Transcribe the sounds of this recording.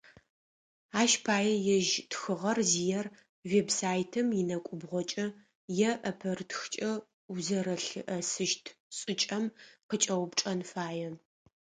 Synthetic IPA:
aːʃpʰaːjɛjɛʒtxɨʁɐrzijɛr | vebsaːjtʰɨmjɪnɐkʷʼʊbʁʷɔt͡ʃʼɐ | jɛʔɐpʰɐrtxt͡ʃʼɐ | wzɐɾɐɬɨʔɐsɨʃtʰsʼɨt͡ʃʼɐmqət͡ʃʼɐwʊpʈ͡ʂʼɐnfaːjɛ

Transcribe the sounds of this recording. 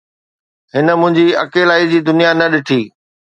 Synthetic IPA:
ɦɪnə̆mʊ̃ɦɪ̃ɲd͡ʑiɐ̰keːlaːid͡ʑiːd̪ʊnijanɐɗɪʈʰiː

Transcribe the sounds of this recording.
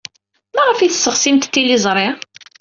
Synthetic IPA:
mæʁəfiθəsːəʁsimt̪t̪ːilizˤɾˤɪ

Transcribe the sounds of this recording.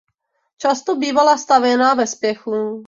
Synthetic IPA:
t͡ʃast̪obiːvalast̪avjɛnaːvɛspjɛxu

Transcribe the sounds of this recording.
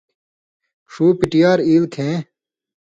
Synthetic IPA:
ʂuːpiʈijaːɾiːlkʰẽː

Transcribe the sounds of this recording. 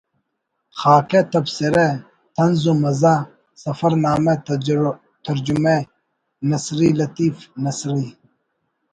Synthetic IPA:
xaːket̪ɐbsiɾe | t̪ʰɐnzumɐzaː | sɐfɐɾnaːme | t̪ʰɐɾd͡ʑume | nɐsɾilɐt̪iːfnɐsɾi

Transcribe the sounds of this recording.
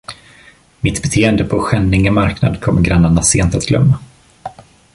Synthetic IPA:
mɪt̪bɛt̪ʰeːɛnd̪əpʰɔɧɛnːɪŋəmaɾkna̰d̪kʰɔmːəɾɡɾanːaɳaseːnt̪at̪ɡlœ̰mːa

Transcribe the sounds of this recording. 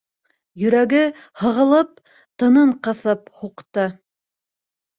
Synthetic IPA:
jɵ̆ɾæɡɘ | hɤ̆ʁɤ̆lˠɤp̚ | t̪ɤ̆nɤɴqɤ̆θɤphuqt̪ɤ

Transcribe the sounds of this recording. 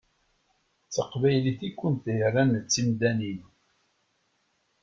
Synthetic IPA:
t͡sːəqvæjliθikʷːənt̪jərˤːænt͡sːimd̪ænin

